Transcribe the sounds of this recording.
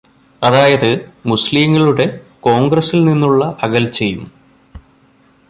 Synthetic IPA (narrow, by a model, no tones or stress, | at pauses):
ɐðaːjɐðɨmusliːŋːɐɭuɽe̞ko̞ːŋɡrɐsilninːuɭːɐʔɐɣɐlt͡ɕe̞jːum